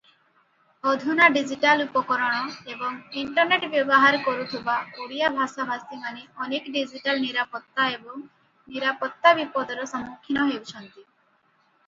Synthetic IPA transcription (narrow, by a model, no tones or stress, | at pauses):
ɔd̪ʱunaɖid͡ʒiʈalupɔkɔɾɔɽ̃ɔebɔŋiɳʈɔɾneʈbjɔbɔɦaɾɔkɔɾut̪ʰibakoɽijabʱasɔbʱast̪imaneɔnekɖid͡ʒiʈalniɾapɔt̪ːaebɔŋ | niɾapɔt̪ːabipɔd̪ʱɔɾɔsɔmːukʰːinɔɦewt͡ʃʰɔnt̪i